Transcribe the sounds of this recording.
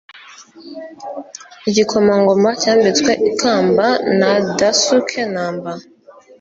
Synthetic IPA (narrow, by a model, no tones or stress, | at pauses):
iɟikʰomaŋɡomacaːmbit͡skweʔikʰaːmbanadasukʰenaːmba